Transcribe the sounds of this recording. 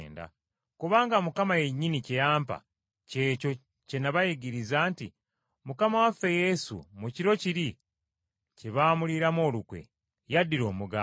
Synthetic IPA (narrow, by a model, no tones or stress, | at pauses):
nda̰ | kuβaːŋɡamukamajeɲːinicejaːmpa̰ | ce̞ːco̞ | ce̞naβajiɡiɾizaːnti | mukamawafe̞je̞sṵmuciɾo̞ciɾi | ceβaːmuliɾamo̞ːlukwḛ | jadːiɾo̞ːmuɡa